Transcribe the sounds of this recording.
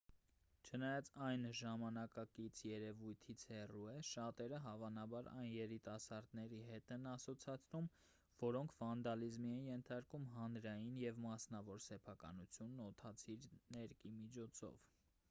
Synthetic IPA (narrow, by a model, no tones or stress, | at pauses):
t͡ʃʰənɑjɑt͡sɑjnʒɑmɑnɑkɑkit͡sʰjɛɾɛvujt̪ʰit͡sʰhɛruɛʃɑt̪ɛɾəɦɑvɑnɑbɑɾɑ̰jnjɛɾit̪ɑsɑɾd̪nɛɾiɦɛt̪ɛnɑsɔt͡sʰɑt͡sʰnum | vɔɾɔŋkʰvɑnd̪ɑlizmiɛnjɛnt̪ʰɑɾkumɦɑnɾɑjinjɛvmɑsnɑvɔɾsɛpʰɑkɑ̰nut͡sʰjunːɔt̪ʰɑt͡sʰiɾnɛɾkimit͡ʃʰɔt͡sʰɔ̰v